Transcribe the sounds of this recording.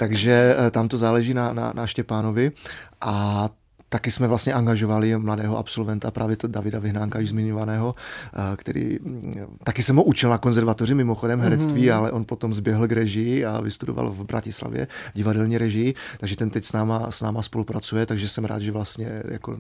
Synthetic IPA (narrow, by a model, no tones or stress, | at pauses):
t̪aɡʒɛt̪amt̪ozaːlɛʒiːnana̰naʃcɛpaːno̞vɪʔa | t̪akɪsmɛvlast̪ɲɛʔaŋɡaʒo̞valɪmladɛːɦoʔapso̞lvɛnt̪apɾʔaːvjɛt̪davɪdavɪɦnaːŋkajɪzmɪɲovanɛːɦo̞kt̪ɛ̰ɾḭː | t̪akɪsɛmɦoʔut͡ʃɪlnako̞nzɛɾvat̪or̝ɪmɪmoxo̞dɛmɦɛɾɛt͡st̪viːalɛʔo̞npo̞t̪o̞mzbjɛɦl̩ɡɾɛʒɪjɪa̰vɪst̪udo̰va̰lvbɾa̰cɪsla̰vjɛ̰ɟɪvadɛlɲiːɾɛʒɪjɪt̪aɡʒɛt̪ɛnt̪ɛcsnaːmasnaːmaspo̞lupɾat͡sujɛt̪aɡʒɛsɛmɾa̰ːd̪ʒɛvlast̪ɲɛja̰ko̰